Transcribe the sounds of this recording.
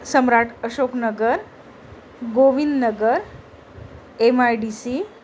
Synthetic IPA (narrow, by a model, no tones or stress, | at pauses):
səmɾaʈʰəɕoknəɡəɾ | ɡoʋind̪nəɡəɾ | emajɖisi